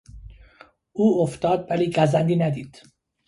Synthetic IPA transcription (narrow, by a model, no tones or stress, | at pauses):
ʔuːoft̪ɒːd̪̚væliːɡæzænd̪iːnæd̪iːd̪̥